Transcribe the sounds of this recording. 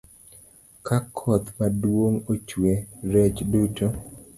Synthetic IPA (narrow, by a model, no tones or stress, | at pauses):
kakʰɔt̪madwoŋot͡ʃweɾɛt͡ʃduto